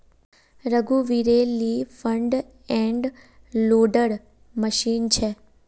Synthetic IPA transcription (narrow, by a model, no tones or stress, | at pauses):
ɾəɡuʋiɾelifəɳɖ | ɛ̃ɳɖ | loɖəɽ | məʃint͡ʃʰe